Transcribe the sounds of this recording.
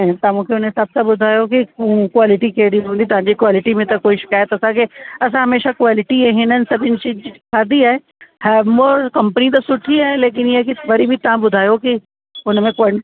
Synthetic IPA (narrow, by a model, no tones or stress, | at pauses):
t̪amũːkʰeʊnẽsɐb̚sɐbʊd̪ʱaːjokĩkwaːlɪʈikeːɽiɦũːnd̪it̪ɐʋ̤ãɲd͡ʑikwaːlɪʈimẽt̪ɐkoːiʃɪ̥kaːjət̪ɐsãkeɐsãɦɐmeːʃakwaːlɪʈiɦɛ̃ɦɪnənɪ̆sɐbʱɪnɪʃikʰaːd̪iaːɦe | hɛːmɔːɾkɐ̃mpənit̪̬ɐsʊʈʰiaːeleːk̬ɪnjekiʋɐɾibʱit̪ɐʋãbʊd̪ʱaːjoki | ʊnmẽka